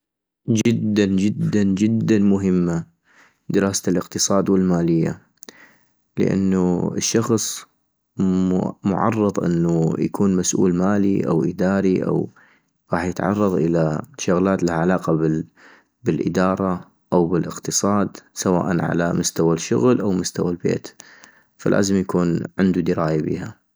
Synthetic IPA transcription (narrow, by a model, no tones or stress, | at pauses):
d͡ʒɪd̪ːand͡ʒɪd̪ːand͡ʒɪd̪ːanmʊɦɪmːa | d̪ɪɾɑːsalʔɪqt̪ɨsˤɑːd̪wɪlmaːlɪjːa̰ | lɪ̰ʔa̰nːuɪʃːɑxsˤ | mʊʕɑ̰rˤːɑðˤʔɪ̰nːujakuːnmasʔṵːlmaːliʔa̰wʔɪd̪aːɾiʔa̰w | ɾˤɑːħjət̪ʕɑ̰rˤːɑðˤʔɪlaʃʊɣlaːt̪lahaʕalaːqɑbɪ | bɪlʔɪ̰d̪ɑːɾˤɑ | ʔawbɪlʔɪqt̪ɨsˤɑːd̪sawa̰ːʔanʕa̰lamʊst̪awaʃʊɣlʔawmʊst̪awalbḛːt̪ | falʔa̰ːzɪmjakuːnʕɪnd̪ud̪ɪɾaːjabḭːha